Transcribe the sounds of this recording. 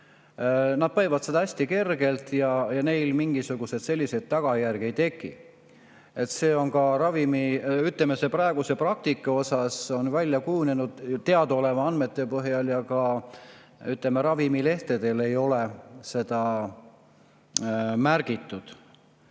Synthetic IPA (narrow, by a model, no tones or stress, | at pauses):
nɑd̪̥̚pɑjvɑd̪se̞d̪ɑæsʲt̪ike̞rɡ̥e̞lt̪jɑjɑne̞jlmiŋɡ̥isuɡ̥use̞d̪selʲːise̞d̪̥̚t̪ːɑɡ̥ɑjærɡ̥iejt̪e̞kˑːi | e̞t̪se̞ːo̞nkɑɾɑvimiyt̪ˑlemese̞pɾɑeɡ̥use̞prɑk̚t̪ikːˑɑo̞sɑso̞nvælʲjɑkujunenud̪̥t̪ːe̞ɑd̪o̞levɑɑnme̞t̪ːˑe̞pɤɦjɑljɑkɑ | yt̪le̞meɾɑvimile̞ht̪e̞d̪̥e̞le̞jo̞lese̞d̪ɑ | mærɡ̥it̪ːˑud̪̥